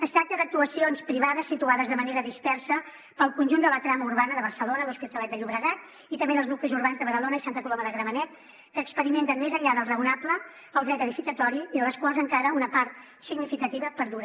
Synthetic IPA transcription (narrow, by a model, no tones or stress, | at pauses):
əst̪ak̚t̪əðək̚t̪uəsionspɾiβaðəsːit̪uaðəzðəməneɾəðispɛrsə | pəlˠkunʲʒund̪ələt̪ɾaməuɾβanəðəβ̞ərsəlonəðuspit̪əlɛt̪d̪əʎuβɾəɣat̪̚ | it̪əmbeðəlˠznuklizuɾβanzðəβəðəlonəisant̪əkulɔməðəɣɾəβənɛt̪ | kəːkspəɾiment̪ənmezəʎaðəlˠrəunaplə | əlˠd̪ɾɛt̪əðifikət̪ɔɾiiðələskwalˠzəŋkaɾəunəpaɾt̪ | siɡnifikət̪iβəpəɾðuɾ